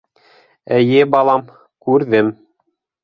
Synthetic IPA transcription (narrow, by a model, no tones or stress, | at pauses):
æjɘbɑlˠɑm | kʉɾðɘm